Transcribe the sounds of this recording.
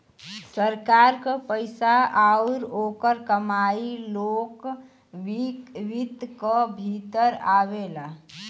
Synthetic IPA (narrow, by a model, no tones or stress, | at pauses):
səɾkaɾkəpəɪsaauɾokəɾkəmailok | ʋikʋit̪kəbʱit̪əɾaβela